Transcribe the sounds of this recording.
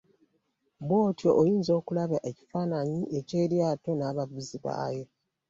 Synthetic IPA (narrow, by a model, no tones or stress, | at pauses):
bwo̞ːtjoʔːjiːnzo̞ːkulaβjaʔeci̥faːnaɲiʔe̞ce̞ːɾjaːto̞naːβavuziβa̰ːjo̞